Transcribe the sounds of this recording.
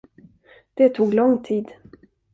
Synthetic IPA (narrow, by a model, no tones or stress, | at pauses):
d̪̥ɛt̪ʰuːɡlɔŋt̪ʰiːd̪